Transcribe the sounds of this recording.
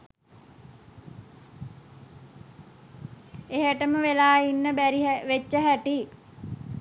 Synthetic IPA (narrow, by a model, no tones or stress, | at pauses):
eɦəʈəməʋelaːinːəbɾiɦʋet͡ʃːəɦæʈi